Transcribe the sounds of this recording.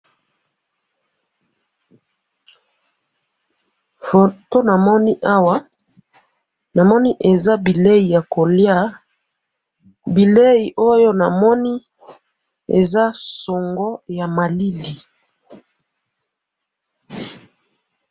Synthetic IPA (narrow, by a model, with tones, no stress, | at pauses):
fo˨to˦na˨mɔ˦ni˦ʔa˦wa˦ | na˨mɔ˦ni˦ʔe˨za˦bi˨le˦ji˨ja˨ko˨lja˦˨ | bi˨le˦ji˨ʔo˦jo˦na˨mɔ˦ni˦ | ḛ˨za˦sɔ˨ŋɡɔ˦ja˨ma˨li˦li˨